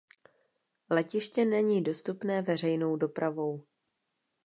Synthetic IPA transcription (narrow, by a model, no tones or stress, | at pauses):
lɛcɪʃcɛnɛɲiːdo̞st̪upnɛːvɛr̝ɛjnowdo̞pɾavo̞w